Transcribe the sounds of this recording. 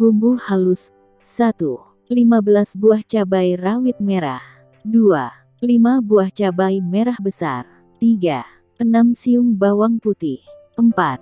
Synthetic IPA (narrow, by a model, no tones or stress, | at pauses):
ɡumbuhalusː | at̪u | limabəlasbuaht͡ʃabajrawit̪̚meɾa̰h | dua | limabuaht͡ʃabajmeɾahbəsa̰r | t̪iɡa | ʔənamsiuŋbawaŋput̪ih | əmpat̪̚